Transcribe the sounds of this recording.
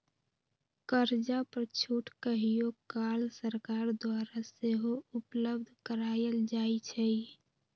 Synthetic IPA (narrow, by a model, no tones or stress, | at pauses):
kəɾd͡ʒapəɾt͡ʃʰuːʈkəɦijokaːlsəɾkaːɾd̪waːɾaseɦoʊpləb̚d̪ʱkəɾaːjəld͡ʒaːit͡ʃʰɛi